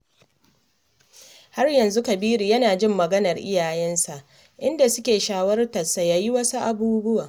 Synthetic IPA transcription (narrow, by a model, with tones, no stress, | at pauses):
ha˦rjɐ˨nzu˦kɐ˨biː˦ɾi˨jɐ˦naː˨d͡ʒɪ˦mːɐ˨ɡɐ˦nɐ˨rʔɪ̰˦jaː˨jɛ˦nsa˨ʔ | ʔɪ˦nda˨sʊ˦kʲeː˨ʃaː˦wɐ˦rtɐ˨sa˨jaː˨ji˦wɐ˦su˦ʔa˨buː˦bʊ˦waː˨